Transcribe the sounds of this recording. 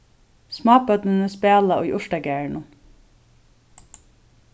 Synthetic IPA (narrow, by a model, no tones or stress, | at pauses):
smɑːpœt̪nɪnəspæːlaʔʊjʔʊʂʈaɡæːɹɳʊm